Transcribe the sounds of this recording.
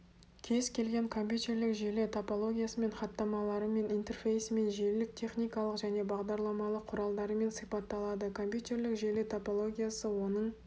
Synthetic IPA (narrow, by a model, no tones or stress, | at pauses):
kʲʰe̞zkʲʰe̞lɡʲe̞ŋkʰo̞mpʲjut̪ʲe̞rlɪkʒelet̪ʰopo̞lˠo̞ɡʲijasəme̞nχɑt̪ːɑmɑlˠɑɾəme̞nijnt̪e̞rfʲe̞jsme̞nʒeɾlɪk̚t̪ʲʰe̞χnʲijkɑlˠəqʒæne̞bɑʁd̪ɑɾlˠɑmɑlˠəqʰːʊɾɑlˠd̪ɑɾəme̞nsijpɑt̪ːɑlˠɑd̪əkʰo̞mpʲjut̪ʲe̞rlɪkʒe̞let̪ʰopolˠo̞ɡʲijasəwo̞nəɴ